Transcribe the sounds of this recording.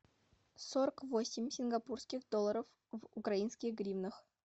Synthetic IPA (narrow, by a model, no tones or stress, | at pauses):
soɾəkvosʲɪmʲsʲɪnɡapurskʲixd̪olˠːɐɾəf | vukrainskʲɪɡrʲivnəx